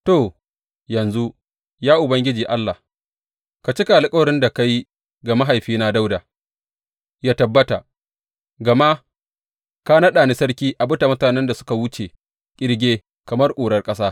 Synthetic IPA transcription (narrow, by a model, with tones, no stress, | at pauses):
toː˨ | jɐ˨nzu˦ | jaː˦ʔʊ˨bɐ˦ŋɡʲɪ˦d͡ʒiː˨ʔa˦lːa˨h | ka˨t͡ʃi˦ka˨lɪ˦kʼɐ˦wɾɪ˦nda˨ka˦ji˦ | ɡa˨ma˦ɦa˨jɸiː˦na˦da˦wda˨ | jaː˦tɐ˨bːɐ˦ta˨ | ɡɐ˨ma˦ | ka˦nɐ˦ɗaː˨ni˦sɐ˦ɾkʲiː˦ʔa˨bʊ˦ta˨mʊ˦taː˨nɛ˦nda˨sʊ̥˦ka˨wʊ˦t͡ʃe˨ | kʲʼɪ˦ɽɡʲeː˦ | kɐ˨mɐ˦rkʷʼuː˨ɽɐ˦rkʼɐ˦saː˦